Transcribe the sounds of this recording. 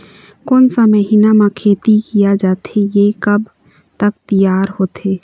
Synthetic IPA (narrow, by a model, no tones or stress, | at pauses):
koːnsaməɦinamãkʰeːt̪ikijad͡ʒaːt̪ejekəb | t̪ək̚t̪əjaːɾhoːt̪eː